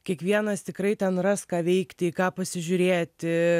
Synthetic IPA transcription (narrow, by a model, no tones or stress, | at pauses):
kʲiɛkʋʲiɛnɐst̪ʲɪkɾɐɪt̪ʲɛnrɑːskɑːʋʲɛɪkt̪ʲɪikɑːpɐsʲɪʒʲʊɾʲeːt̪ʲɪ